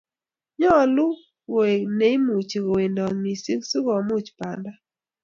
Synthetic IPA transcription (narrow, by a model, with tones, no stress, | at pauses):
ɲɔ˦˨lʊ˦ | wo˨e˨ne˦i˦mu˨t͡ʃi˨ɡo˨we˨ndɔ˨nmi˨si˦ksu˦ɡɔ˨mu˦˨t͡ʃpa˨nda˦